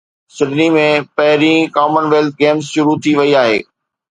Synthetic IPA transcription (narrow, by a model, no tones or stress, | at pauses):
sɪɖnimẽpɐɦɪɾĩkaːmənʋeːlt̪̚ɡeːmzʃʊɾut̪ʰiʋɐiaːɦḛː